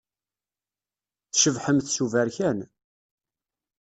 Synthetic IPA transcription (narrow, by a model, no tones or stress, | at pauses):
θʃəvħəmθsuvæɾçæn